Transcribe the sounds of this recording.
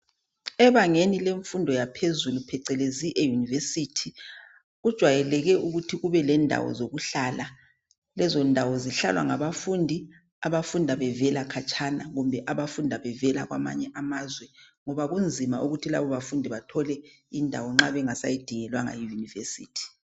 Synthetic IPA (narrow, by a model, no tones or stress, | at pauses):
ɛβaŋenileɱfundʱɔjapʰezulupʰɛǀɛleziʔejunivesitʰi | ɣud̥ʒ̥ʱwajɛlɛɣɛʔuɣutʰiɣuβɛlɛndʱa̰wɔ̰zoɣuɬala | lɛzɔndʱawɔziɬa̰lwa̰ŋaβafundʱi | aβafundʱaβɛvɛlakʰat͡ʃʼʰanaɣumbʱɛʔaβafundʱaβɛvɛlaɣwa̰ma̰ɲɛʔamazwɛŋɔβaɣund͡zʱimaʔuɣutʰila̰βɔβafundʱiβatʰɔlɛ | indʱawɔŋ͡ǁaβɛŋasa̰jid̥ʱiŋɛlwaŋa̰jijunivesḭːtʰi̥